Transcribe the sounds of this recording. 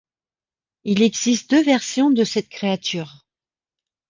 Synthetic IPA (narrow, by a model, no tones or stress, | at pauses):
ilɛɡzist̪̚d̪øvɛʁsjɔ̃d̪əsɛt̪̚kχeat̪yːʁ